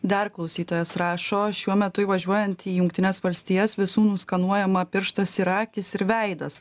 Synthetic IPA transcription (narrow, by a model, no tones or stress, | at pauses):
d̪ʲɐɾklˠɐʊsʲiːt̪oːjɛsɾɑːʃoːʃʲuɔmʲɛt̪ʊɪʋɐʒʲuɔjɛnt̪iːjʊŋkt̪ʲɪnʲɛsʋɐlʲsʲt̪ʲiːjɛsʋʲɪsuːnʊskɐnuɔjɛmɐpʲɪɾʃt̪ɐsiɾɑːkʲɪsɪɾʋʲɛɪd̪ɐs